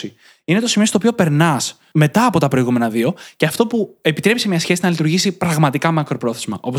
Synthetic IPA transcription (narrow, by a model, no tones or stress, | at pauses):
i | ine̞t̪o̞simit̪opio̞pe̞ɾnɐs | me̞t̪ɐːpo̞t̪ɐpɾo̞iɣume̞nɐðio̞ceɐft̪o̞pue̞pit̪ɾe̞pisemɲɐsçe̞sinɐlit̪uɾʝisipɾɐɣmɐt̪ikɐmɐkɾo̞pɾo̞θe̞zmɐ̰ʔo̞po